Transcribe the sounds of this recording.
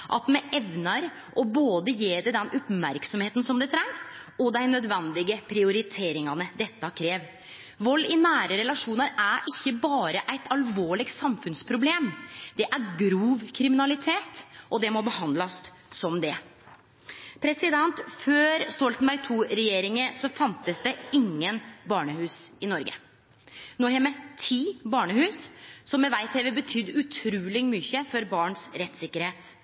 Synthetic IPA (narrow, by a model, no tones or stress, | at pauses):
ʔɑ̰t̪mɛɛʋnɑɾ | ʔɔboːd̪əjeːɖ̪ɛd̪ɛnʊpmæɾksɔmheːt̪n̩sɔmd̪ɛt̪ʰɾæŋɔd̪æɪnœd̪ʋɛnd̪ɪɡəpʰɾɪʊɾɪt̪ʰeːɾɪŋɑnəd̪ɛt̪ːɑkʰɾeːʋ | ʋɔlːɪnæːɾəɾɛlɑʂuːnəɾæɾʔɪçːəbɑːɾəʔæɪt̪ʰɑlʋoːɭɪɡsɑmfʉnspʰɾʊbleːmd̪̥ɛʔæɾɡɾuːʋkʰɾɪmɪnɑlɪt̪ʰeːt̪ʔɔd̪ɛmɔbəhɑnd̪ləsː | ɔmd̪ɛ | pʰɾɛsɪd̪ɛnt̪føːɾst̪ɔlt̪ənbæɾɡ̚t̪ʰuːɾɛjeːɾɪŋəsɔfɑnt̪əsd̪ɛɪŋːənbɑːɳəhʉːsɪnɔɾɡə̰ | noːhɛmɛt̪ʰiːbɑːɳəhʉːssɔmːɛʋæɪt̪ʰeːʋəbət̪ʰʏd̪ːʉt̪ʰɾuːlɪmʏçəfɔɾbɑːɳsɾɛt̪sɪkːəɾheːt̪